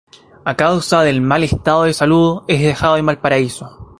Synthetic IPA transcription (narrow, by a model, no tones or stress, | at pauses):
akawsaðe̞lmalest̪aðoðesaluðeɦðexaðoemalpaɾaiso̞